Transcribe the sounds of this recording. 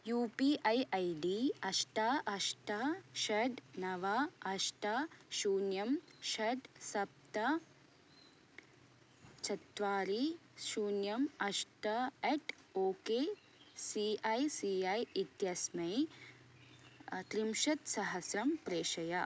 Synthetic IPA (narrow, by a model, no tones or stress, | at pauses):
juːpiʔɐjʔɐjɖiɐʃʈaːʔɐʃʈaʃɐɖnɐʋaːɐʃʈaːʃuːnjɐmʃɐɖsɐp̚t̪ɐ | t͡ʃɐt̪ʋaːɾiʃuːnjɐmɐʃʈɐeːʈ | oːkeː | siɐjsiɐjit̪jɐsmɐj | t̪ɾimʃɐt̪sɐɦɐsɾɐmpɾeːʃɐjɐ